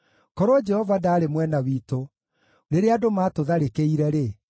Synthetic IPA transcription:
kɔɾod͡ʒɛhɔvadaːɾemwɛnawiːto | ɾeɾeadomaːtoðaɾekeiɾɛɾe

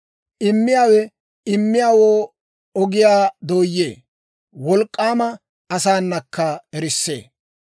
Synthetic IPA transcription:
ʔɪmːɪjaːwɛ | ɪmːɪjaːwoː | ɔɡɪjaːd̪o̞ːjːeː | wɔlkʼːaːmɐ | ɐsaːnːɐkʰːɐɛɾɪsːe̞̰ː

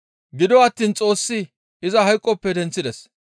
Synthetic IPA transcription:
ɡɪd̪ɔɐt̪ːiːnt͡sʼo̞ːsːɪ | ɪzɐɦɐjkʼːɔpːɛd̪ɛnt͡sːɪd̪ɛs

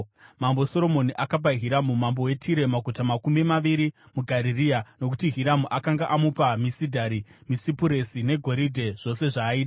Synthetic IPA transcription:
mambo̞so̞ɾo̞mo̞niʔakap̬aɦiɾamumambo̞we̞tʰiɾe̞maɡʱutamakumimaʋiɾi | muɡʱaɾiriano̞k̬utiɦiɾamuʔakaŋɡaʔamupamisidʱaɾimisipuɾe̞sine̞ɡʱo̞ɾidʱe̞ʐ̥o̞se̞ʐaːiːɗa

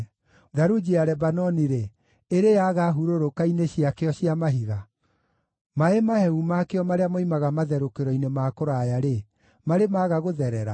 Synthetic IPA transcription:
ðaɾud͡ʒiaɾɛbanɔniɾe | eɾejaɣaɦuɾoɾokaineɕiakeɔɕiamaɦiɣa | maemahɛumakeɔmaɾeamɔimaɣamaðɛɾokeɾɔinemaːkoɾajaɾe | maɾemaɣaɣoðɛɾɛɾa

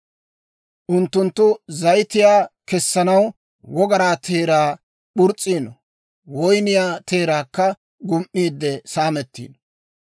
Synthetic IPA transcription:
ʔʊnt̪ːʊnt̪ːʊzɐjt̪ɪjaːkɛsːɐnɐw | wɔɡɐɾaːt̪ʰeːɾaː | ɓʊɾt͡sʼːiːnɔ | wɔjnɪjaːt̪ʰe̞ːɾaːkːɐ | ɡʊmʔːiːd̪ːɛsaːmɛt̪ːḭːn

